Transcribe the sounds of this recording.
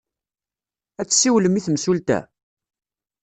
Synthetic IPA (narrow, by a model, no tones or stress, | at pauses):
æt͡sːsːiwləmiθmsult̪æ̰